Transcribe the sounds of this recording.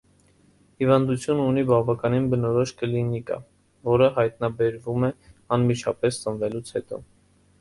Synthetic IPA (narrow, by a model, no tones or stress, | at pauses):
hivɑnd̪ut͡sʰjununibɑvɑkɑninbənɔɾɔʃkəlinikɑ̰ | vɔɾəɦɑjt̪nɑbɛɾvumɛɑnmit͡ʃʰɑpɛst͡sənvɛlut͡sʰhɛt̪ɔ̰